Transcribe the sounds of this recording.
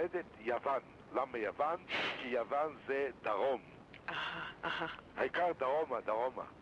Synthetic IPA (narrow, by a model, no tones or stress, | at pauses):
ed̪et̪javan | lamajavankijavanzed̪aʁom | ahaahaha̰ikaʁd̪aʁomad̪aʁoma̰